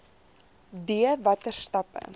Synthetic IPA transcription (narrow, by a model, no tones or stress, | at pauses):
diəvɐtərstɐpə̰